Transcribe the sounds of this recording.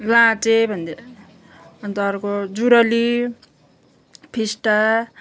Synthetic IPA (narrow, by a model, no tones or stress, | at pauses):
lãt͡sebʱʌnd̪e | ʌnt̪ʌɾkod͡zuɾʌli | pʰisʈa